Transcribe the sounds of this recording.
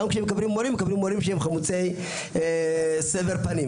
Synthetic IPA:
amkʃeemekablimːoɾimːekablimːoɾimʃeemχamut͡sej | sevelpanim

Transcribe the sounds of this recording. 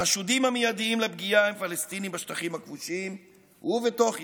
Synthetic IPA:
aʃud̪imamejad̪iimleb̚ɡijaemfalest̪inimbaʃt̪aχimakvuʃim | huvet̪oχ

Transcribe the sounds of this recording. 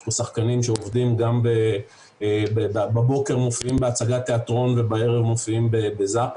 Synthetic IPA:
usaχkanimʃeovd̪imɡambe | bebbabo̞ke̞ʁmofiimbeat͡saɡat̪ːe̞at̪ʁo̞nve̞baeʁevmo̞fiimbebezap

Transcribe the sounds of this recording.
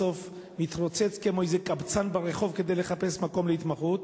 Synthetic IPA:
o̞f | mit̪ʁot͡set͡skemojzekabt͡sanbaʁeχo̞vked̪e̞jleχape̞smako̞mleit̪maχut

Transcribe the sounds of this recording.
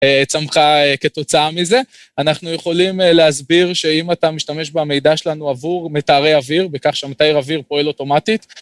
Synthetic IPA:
et͡samχaeke̞to̞t͡saamize̞ | anaχnuje̞χo̞limleazbiʁʃe̞imatamiʃtame̞ʃbame̞jd̪aʃelanuavuʁmetaːʁejaviʁbekaχʃamat̪ajiʁaviʁpoelo̞to̞matit̪

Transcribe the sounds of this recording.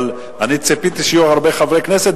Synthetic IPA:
l | anit͡sepit̪iʃjuʁaʁbeχavʁekneset̪

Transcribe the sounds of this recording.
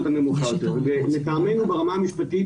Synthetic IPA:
t̪amemuχajot̪eʁbeletaːmenubeʁamaːmiʃpat̪i

